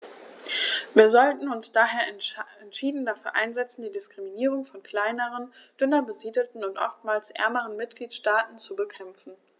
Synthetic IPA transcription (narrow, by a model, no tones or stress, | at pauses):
viːɐzɔltn̩ʊnsd̥aːɦeːɐɛntʃiːdn̩dafyːɐʔa̰ɪnzɛt͡sn̩diːdɪskʁ̥iminiːʁʊŋfɔnkʰl̥aɪnəʁənd̥ʏnɐbəziːdəl̩tn̩ʊntʔɔ̰ftmaːlsʔɛ̰ɐməʁənmɪtɡ̥liːtʃtaːtn̩t͡subəkʰɛmfn̩